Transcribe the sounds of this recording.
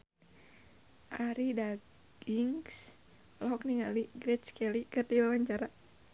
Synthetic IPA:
ʔaɾida | ɡ̥iŋs | lɔɦɔk̚niŋaliɡɾɛt̪t͡ʃkɛlikɨrdiwawaɲt͡ʃaɾa

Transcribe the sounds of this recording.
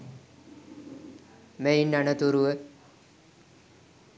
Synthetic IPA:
meinːanət̪uɾuʋə

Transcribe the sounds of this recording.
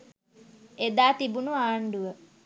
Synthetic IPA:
ed̪aːt̪ibunuaːɳɖuʋə

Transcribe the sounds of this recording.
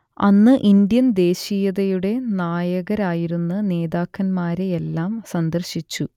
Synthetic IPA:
ɐ̰nːɨʔind̪jɐnd̪e̞ːɕijɐðɐjuɽe̞naːjɐɣɐɾaːjiɾunːɨne̞ːðaːkːɐnmaːɾe̞ːlːaːmsɐnd̪ɐrɕit͡ɕːu

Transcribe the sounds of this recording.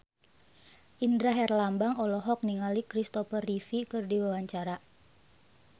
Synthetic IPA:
ʔindɾaɦɛrlambaŋɔlɔɦɔk̚niŋalikɾist̪ɔfərifikɨrdiwawaɲt͡ʃaɾa

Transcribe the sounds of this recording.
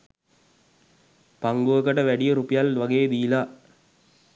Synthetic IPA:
paŋɡoʋəkəʈəʋæɖijəɾupijalʋaɡeːd̪iːla

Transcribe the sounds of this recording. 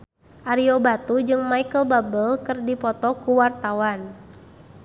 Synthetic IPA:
ʔaɾiobat̪ud͡ʒɨŋmajkəlbabəlkɨrdipɔt̪ɔkuwart̪awan

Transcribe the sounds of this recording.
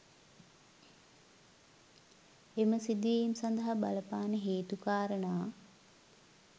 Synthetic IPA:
eməsid̪iʋejimsɐnd̪ɐɦabaləpaːnəɦeːt̪ukaːɾənaː

